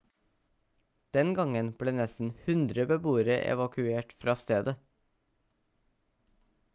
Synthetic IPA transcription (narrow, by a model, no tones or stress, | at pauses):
d̪̥ɛnɡɑŋənb̥ɽeːnɛsn̩hʉnd̪ɾəbəbuːəɾəʔɛ̰ʋɑkʉeːʈfɾɑːst̪eːd̪ə